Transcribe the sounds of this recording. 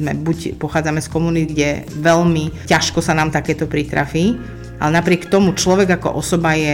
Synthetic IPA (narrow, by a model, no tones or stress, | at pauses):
mɛ̰bucpɔxaːd͡zamɛskɔmuniɡɟɛʋɛlmicaʃkɔsanaːmt̪akɛːt̪ɔpɾit̪ɾa̰fiː | ʔa̰lɛnapɾɪɛkt̪ɔmut͡ʃlɔʋɛɡakɔ̰ʔɔsɔbajɛ